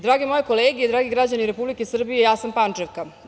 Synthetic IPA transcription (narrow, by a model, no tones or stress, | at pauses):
d̪ɾaːɡemo̞jeko̞leːɡijed̪ɾaːɡiɡɾad͡ʑaniɾe̞publikesr̩bije̞jaːsampant͡ʂeʋka